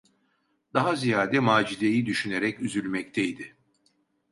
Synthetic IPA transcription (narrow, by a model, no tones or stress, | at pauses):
d̪aɦazijaːd̪ɛmaːd͡ʒid̪ejid̪yʃyneɾɛcyzylʲmɛc̚t̪ʰɛjd̪ɪ